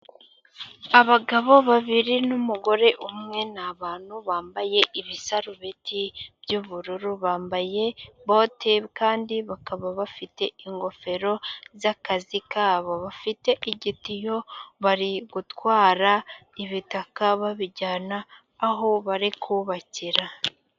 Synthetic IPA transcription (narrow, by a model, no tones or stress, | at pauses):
aβaɡaβo̞βaβiɾinumuɡo̞ɾe̞ʔumŋe̞naβaːn̥huβaːmbaje̞ʔiβisaɾuβitʰib̥juβuɾuɾuβaːmbaje̞βoteβkaːndiβakaβaβafite̞iŋɡo̞fe̞ɾo̞zakazikaβoβafite̞ʔiɟitijo̞βaɾiɡutwaːɾaiβitakaβaβiɟaːnaː | ɦo̞βaɾikʰuβaciɾa